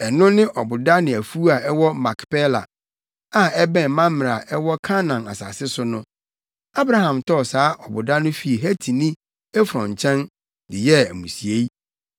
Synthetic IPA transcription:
ɛ˨nʊ̃˦nɪ̃˦ʔɔ˨bʊ˨da˦nɪ̃˨æ˨fu˦a˨ɛ˦wɔ˦mã˨kpɛ˦la̰˨ | a˨ɛ˦bɛ̃˨n˨mã˦m˨ɾa˨ɛ˦wɔ˦kʰa˦nã˨na̰˨sa̰˨sɪ˦sʊ˦nʊ̃˦ | a˦bɾa˦ɦã˨mtʰɔ˦˨saː˨˦ʔɔ˨bʊ˨da˦nʊ̃˦fi˦˨ɦæ˦tʰi˨nĩ˦ | ɛ˦fɾɔ̰̃˨ɲ˨t͡ɕʰɛ̃˦n | dɪ˨jɛ˦æ̰˨mũ˨si˨e˦i˦

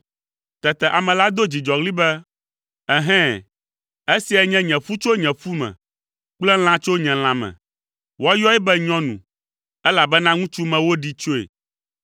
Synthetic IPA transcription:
t̪ɛ˨t̪ɛ˨ʔa˨mɛ̃˨la˦d̪o˦d͡ʑi˨d͡ʒɔ˨ɣli˦bɛ˦ | ɛ˦ɦɛ̃˦ | e˦si˨ɛ˨ɲɛ̃˦ɲɛ̃˨fu˦t͡ʃo˦ɲɛ̃˨fu˦mɛ̰̃˨ | k͡plɛ˦l̃ã˦t͡ʃo˦ɲɛ̃˨l̃ã˨mɛ̰̃˨ | wa˦jɔ˦ɛ˦bɛ˦ɲɔ̃˦nṵ̃˨ | ɛ˦la˨bɛ˦nã˦ŋũ˦t͡ʃu˦mɛ̃˨wo˦ɖi˦t͡ʃo˦ḛ˨

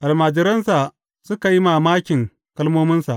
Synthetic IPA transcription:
ʔa˨lmaː˨d͡ʒɪ˨ɾɐ˦nsa˨ | sʊ˦ka˨ji˦maː˨maː˦kʲɪ˨ŋ | kɐ˦lmoː˦mɪ˦nsa̰˨ʔ

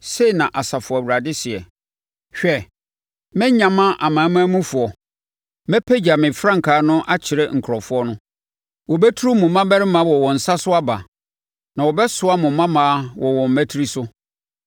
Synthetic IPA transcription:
se˦i˨nã˨ʔa˨sa˨fʊ˨wu˨ɾa˨dɪ˦sɪ˨ɛ˨ | ɕᶣɛ˦˨ | mɛ̃˦ɲã˨mã˦ʔa˨mãː˨˦mã˦æ˦mũ˦fʊ˨ɔ˨ | mɛ̃˦pʰɛ˦d͡ʑa˨mɪ̃˨fɾã˦ŋ̩˨kʰaː˨˦nʊ̃˦ʔa˦t͡ɕʰɪ˨ɾɛ˦ŋ̩˨kʰɾɔ˨fʊ˦ɔ˦nʊ̃˦ | wɔ˨bɛ˦tʰu˦ɾu˦mʊ̃˨mã˦bɛ˦ɾɪ˦mã˦wɔ˨wɔ̃˨n̩˨sa˦sʊ˦a˦ba̰˨ | nã˨wɔ˨bɛ˦sʊ˦a˦mʊ̃˨mːã˦mã˦wɔ˨wɔ̃˨m̩˨mæ˦tʰi˦ɾi˦sʊ˦

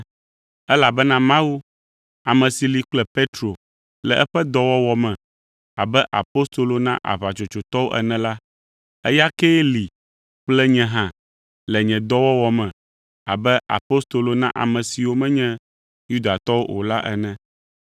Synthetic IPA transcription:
ɛ˦la˨bɛ˦nã˦mã˦wu˦ | a˨mɛ̃˨si˨li˨k͡plɛ˦pe˦t̪ɾo˨ | lɛ̰˨ʔɛ˦ɸɛ˦d̪ɔ˦wɔ˦wɔ˦mɛ̃˨ | a˨bɛ˦ʔa̰˨po˦st̪o˨lo˨nã̰˦ʔa̰˨βa˨t͡ʃo˨t͡ʃo˨t̪ɔ˦wo˦ʔɛ̰˨nɛ̃˨la˦ | ɛ̰˦ja˦ke˦li˨ | k͡plɛ˦ɲɛ̃˦ɦã˦ | lɛ˨ɲɛ̃˨d̪ɔ˦wɔ˦wɔ˦mɛ̃˨ | a̰˨bɛ˦a̰˨po˦st̪o˨lo˨nã˦ʔa̰˨mɛ̃˨si˨wo˦mɛ̃˦ɲɛ̃˦ | ju˦d̪a˨t̪ɔ˦wo˦ʔo̰˨la˦ʔɛ˨nɛ̃˨

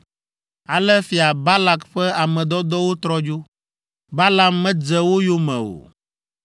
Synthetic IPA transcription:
a˨lɛ˦fi˨a˨ba˦la˨kɸɛ˦a˨mɛ̃˨d̪ɔ˦d̪ɔ˦wo˦t̪ɾɔ˦d͡ʒo˦ | ba˦la˨mːɛ̃˦d͡zɛ˨wo˦jo˦mɛ̰̃˨o̰˨

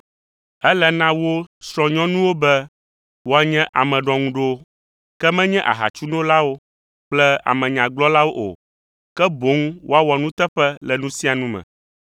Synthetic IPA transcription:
ɛ˦lɛ˨nã˦wo˦sɾɔ̃˨ɲɔ̃˦nũ˦wo˦bɛ˦ | wo˦a˨ɲɛ̃˦ʔa˨mɛ̃˨ɖɔ̃˨ŋũ˦ɖo˦ | kɛ˦mɛ̃˦ɲɛ̃˦ʔa̰˨ɦa̰˨t͡ʃu˦nõ˦la˦wo˦ | k͡plɛ˦a̰˨mɛ̃˨ɲã˨ɡ͡blɔ˦la˦wo˦ʔo̰˨ | kɛ˦bo˨˦ŋ˦wʔo˦a˦wa˨nũ˦t̪ɛ˦ɸɛ˦lɛ˨nũ˦si˦a˨nũ˦mɛ̰̃˨

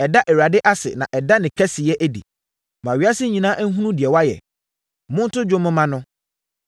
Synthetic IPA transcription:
ɛ˨da˦ʔɛ˨wa˨dɪ˦ʔa˦sɪ̰˨nã̰˨ʔɛ˨da˦nɪ̃˨kʰɛ˦sɪ˨jɛ˦ʔæ˦dḭ˨ | mã˨ɥi˨˦a˦sɪ˦ɲĩ˨nãː˦ʔæ˦ŋ̩˦ɦũ˦nũ˦dɪ˨ɛ˨wa˦jɛ̰˨ | mʊ̃˦n̩˦tʊ˦d͡ʑᶣʊ˦mɪ̃˦mã˦nʊ̃˦

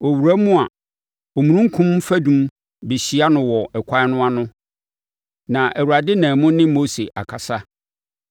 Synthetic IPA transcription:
ɔ˨wu˨ɾæ˦mʊ̃˦a˨ | o˨mũ˨nũ˦ŋ̩˦kʰʊ̃˦m˦fæ˦dũ˦m | bi˨ɕi˨a˦nʊ̃˨wɔ˨ɛ˨kʰʷa˦nʊ̃˦a˦nʊ̃˦ | nã˨ʔæ˨wu˨ɾa˨dɪ˦nãː˨mʊ̃˦nɪ̃˦mo˦se˨ʔa̰˨kʰa˨sa˦

